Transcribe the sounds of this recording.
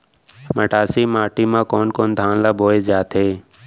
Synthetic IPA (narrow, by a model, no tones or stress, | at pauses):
məʈaːsiːmaːʈiːmãːkoːnkoːnd̪ʱãːnlaːboːeːzjaːt̪ɦeː